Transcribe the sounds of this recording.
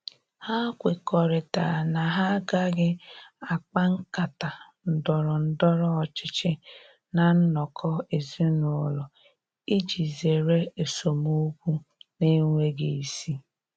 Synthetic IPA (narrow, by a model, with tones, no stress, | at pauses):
ha˦kʷɪ˨kɔ˨ɾɪ˨ta̰˨na˨ɦa˦ɡa˦ɡɪ˦a˨k͡pa˦ŋ̩˦ka˨ta˨n̩˨dɔ˨ɾɔ˨n̩˦dɔ˦ɾɔ˦ɔ˨t͡ʃɪ˦t͡ʃɪ˦ | na˨n̩˦nɔ˨kʰɔ˦e˨zi˦nʊ˨ɔ˨lɔ˨ | i˦d͡ʒi˨ze˨ɾe˦e˨so˨mo˦kʷu˦ne˦ŋʷe˦ɡe˨i˨si˦